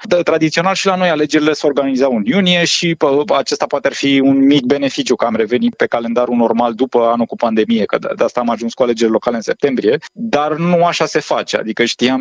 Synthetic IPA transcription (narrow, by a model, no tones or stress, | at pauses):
t̪ɾad̪it̪sio̞nalʃilano̞jale̞d͡ʒe̞ɾile̞seorɡanizawɨnjunije̞ʃiəat͡ʃe̞st̪apoat̪earfiunmik̚be̞ne̞fit͡ʃjukəamre̞ve̞nipe̞kale̞nd̪aɾuno̞rmald̪upəanukupand̪e̞mije̞kəd̪d̪ast̪aːmaʒunskuale̞d͡ʒe̞ɾʲlo̞kale̞ɨnse̞p̚t̪e̞mbɾije̞d̪arnuaʃase̞fat͡ʃea̰d̪ikəʃt̪ijam